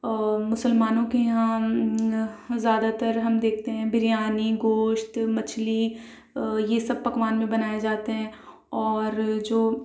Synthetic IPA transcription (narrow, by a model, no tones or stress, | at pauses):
mʊsəlmaːnõkejɐɦã | zjaːd̪at̪əɾɦɐmd̪eːkʰt̪eɦɛ̃bʱɪɾijaːniɡoːʃt̪mɐt͡ʃʰli | jesɐb̚pɐkʋaːnmẽbɐnaːjed͡ʒaːt̪eɦɛ̃ | ɔːɾd͡ʒoː